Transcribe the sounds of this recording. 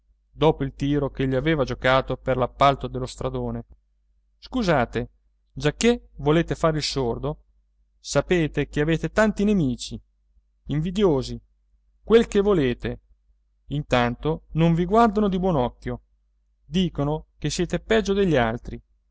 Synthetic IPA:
d̪ɔːpoilt̪iːɾokeʎːiaveːvad͡ʒokaːt̪operlapːalt̪od̪elːost̪ɾad̪oːne | skuzaːt̪e | d͡ʒakːevoleːt̪efaːɾeilsord̪o | sapeːt̪ekeaveːt̪et̪ant̪inemiːt͡ʃi | iɱvid̪joːzi | kwelkevːoleːt̪e | int̪ant̪onoɱviɡward̪anod̪ibwɔnɔkːjo | d̪iːkonokesːjɛːt̪epɛd͡ʒːod̪eʎːialt̪ɾi

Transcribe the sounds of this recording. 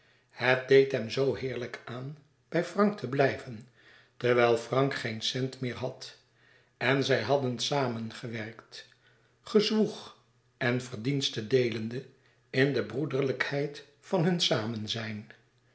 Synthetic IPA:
hət̚dejtɦɛmzowɦɪːɹləkaːn | b̥ɛjfrɑŋk̚tʰəblɛjvən | təɹʋɛlˠfrɑŋkχejnsɛntmɪːɹɦɑt | ɛnzɛjɦɑdənsaːmənχəʋɛɹkt | χəzʋuχ | ɛnvərdinstədejləndə | ɪndəbrudərləkhɛjt | fɑnɦɵnsaːmənzɛjn

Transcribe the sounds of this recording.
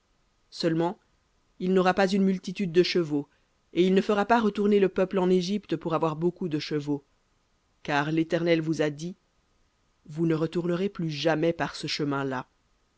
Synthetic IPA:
sœlmɑ̃ | ilnɔʁapazynmylt̪it̪yd̪ːəʃəvo | eilnəfəʁapaʁət̪uʁneləpœplɑ̃neʒipt̪puʁavwaʁbokud̪əʃəvo | kaːʁlet̪ɛʁnɛlvuzad̪i | vunəʁət̪uʁnəʁeplyʒamɛpaʁsəʃəmɛ̃la

